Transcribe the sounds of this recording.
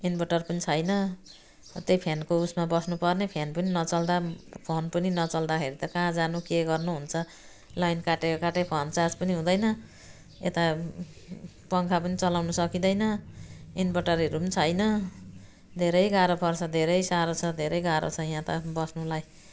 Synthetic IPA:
inbʌʈʌrpʌnit͡sʰʌjnʌ | t̪ejpʰenkousmabʌsnupʌrnepʰenpʌninʌt͡sʌld̪apʰonpʌninʌt͡sʌld̪akʰeɾit̪ʌkãd͡zanukeɡʌrnuɦunt͡sʰʌ | lʌjnkaʈekokaʈepʰont͡sad͡zpʌniɦũd̪ʌjnʌ | et̪a | pʌŋkʰapʌnit͡sʌlawnʌsʌkid̪ʌjnʌinbʌʈʌreɾupʌnit͡sʰʌjnʌ | d̪ʱeɾʌjɡaɾopʰʌrt͡sʰʌd̪ʱeɾʌjsaɾot͡sʰʌd̪ʱeɾʌjɡaɾo̰t͡sʰʌjãt̪ʌbʌsnulaj

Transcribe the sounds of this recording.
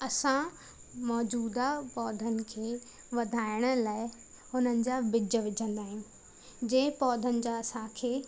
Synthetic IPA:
ɐsã | mɔːd͡ʑuːd̪apɔːd̪ʱənɪ̆kʰeː | ʋɐd̪ʱaːɪɽ̃ə̆laːɪ | ɦʊn̤ənɪ̆d͡ʑaːbɪd͡ʑəʋɪd͡ʑʱə̃nd̪aːɦɪ̃jũ | d͡ʑẽːpɔːd̪ʱənɪ̆d͡ʑaɐsãkʰeː

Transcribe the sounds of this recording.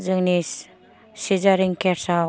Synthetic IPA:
zɯŋnis | sizaɾiŋkɛsa

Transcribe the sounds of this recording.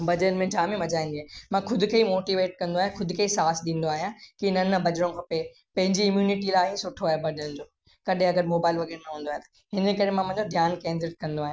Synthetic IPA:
bɐd͡ʑəɾənmẽd͡ʑaːmĩmɐd͡ʑaːĩːnd̪iaːmãxʊd̪ʱʊkʰeimoːʈiʋeːʈ̚kɐ̃nd̪oaːɦjãxʰʊd̪ʱɪkʰeːisaːsɗĩːn̆d̪oaːɦijãkiɪn̤ənːɐbɐd͡ʑɾõkʰɐpe | pɐ̃ɦɪ̃ɲd͡ʑiɪmjuːnɪʈilaːɦĩsʊʈʰːoaːɦebɐd͡ʑəɾnd͡ʑoː | kɐɗẽɐɡəɾmoːbaːɪlʋɐɡeːɾnɐɦũːnd̪oaːɦẽt̪ɐ̥ | ɦɪ̃nkɐɾemãmɐ̃ɦɪ̃ɲd͡ʑod̪ʱjaːnkɛ̃ːns̬ɪʈ̚kɐ̃nd̪oaːɦj̃a

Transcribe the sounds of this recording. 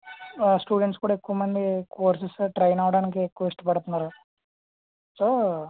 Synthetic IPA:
sʈuːɖeɳʈskuːɽaːekːuʋɐmɐnd̪ikoːɾsisʈɾɐjnaːʋɐɽaːnik̬eːkːuʋɐiʂʈɐpɐɽt̪unːaːɾu | soː

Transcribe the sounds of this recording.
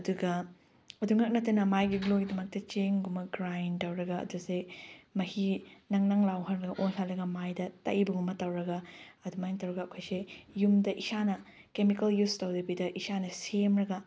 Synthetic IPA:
ɐduɡɐ | ɐduŋɐk̚nɐtːɐnɐmajɡiɡloɡidɐmɐk̚tɐt͡ʃiŋɡumɐɡɾajntɐwɾɐɡɐ̰ːdusemɐhinɐŋnaŋlawɦɐɾɡɐʔojsalːɐɡɐmajdɐtɐ̰ʔibɐŋɡumːɐtɐwɾɐɡɐɐdumajntɐwɾɐɡɐːkʰojsejumdɐʔisanɐ | kemikɐljustɐwdɐbidɐʔisanɐsemɾɐɡɐ

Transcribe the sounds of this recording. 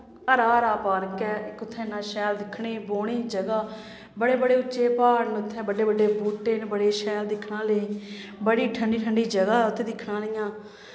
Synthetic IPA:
əɾaːɾaːpaːɾkɛːɪkʊt̪ʰːɛ̃ːnãːʃɛːld̪ɪkʰɽeːboːɽ̃iːd͡ʒəɡaː | bəɽeːbəɽeːʊt͡ʃːt͡ʃʃeːpaːɽnʊt̪ʰːɛ̃ːbəɖeːbəɖeːbuːʈːeːnbəɽeːʃɛːld̪ɪkʰːnãːleːbəɽiːʈʰəɳɖiːʈʰəɳɖiːd͡ʒəɡaːʊt̪ʰːeːd̪ɪkʰnãːlɪjãː

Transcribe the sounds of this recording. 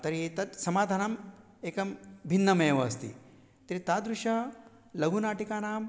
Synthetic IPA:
t̪ɐɾiet̪ɐt̪sɐmaːd̪ʱaːnɐm | eːkɐmbʱinːɐmeːʋɐːst̪ḭ | t̪ɐɾit̪aːd̪ɾuʃɐ | lɐɡʱunaːʈikaːnaːm

